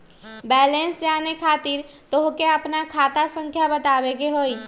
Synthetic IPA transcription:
bɛːlẽnsd͡ʒaːnekʰaːt̪iɾ | t̪oɦkeəpnakʰaːt̪asə̃ŋkʰjabət̪aːʋeɡeɦoːi

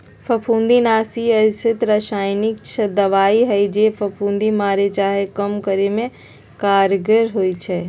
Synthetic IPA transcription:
pʰɐpʰũːnd̪inaːsiɐsɪt̪ɾəʃaːjnɪkt͡ʃʰɐd̪ɐʋaːiɦɐid͡ʒeːpʰɐpʰũːnd̪imaːɾet͡ʃaːɦekɐmkəɾemẽ | kaːɾɡəɾɦoːit͡ʃʰɛː

